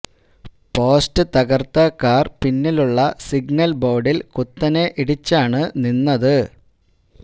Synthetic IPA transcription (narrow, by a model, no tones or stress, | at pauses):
po̞ːstɨt̪ɐɣɐrt̪ɐkːaːrpinːiluɭːɐsiɡnɐlbo̞ːɖilkut̪ːɐne̞ʔiɽit͡ɕːaːɳɨninːɐðɨ